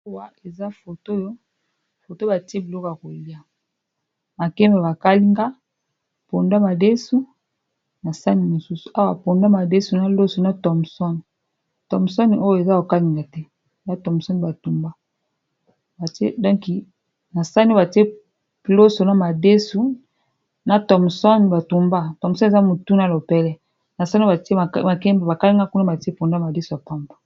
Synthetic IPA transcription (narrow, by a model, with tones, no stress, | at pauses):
a˦wa˨e˨za˦fo˨to˦jo˦ | fo˨to˦ba˨ti˦e˦bi˨lɔ˦ko˨ja˨ko˨li˦a˦ | ma˨kɛ˦mba˨ba˨ka˦li˦ŋɡa˦˨ | po˨nda˦ma˨de˦su˦ | na˨sa˦ni˦mo˨su˦su̥˨a˦wa˨po˨nda˦ma˨de˦su˨na˦lo˦so˨na˦tɔ˨m˨sɔ˦n˨ | tɔ˨msɔ˦n˨o˦jo˨e˨za˦o˨ka˦li˦ŋɡa˨tɛ˦˨ | na˦tɔ˨m˨sɔ˦n˨ba˨tu˨mba˦ | ba˨tḛ˦dɔ˦ŋki˨ | na˨sa˦n˦ba˨ti˦e˦˨ | lo˦so˨na˦ma˨de˦su˨˦ | na˦tɔ˨m˨sɔ˦n˨ba˨tu˨mba˦tɔ˨m˨sɔ˦n˦e˨a˦mo˨tu˦na˦lo˨pɛ˦lɛ˦ | na˨sa˦ni˦ba˨te˦˨a˨kɛ˦mba˨ba˨ka˦li˦ŋɡa˦ku˦na˦ba˨te˦po˨nda˦ma˨de˦su˨ja˨pa˦mbḁ˨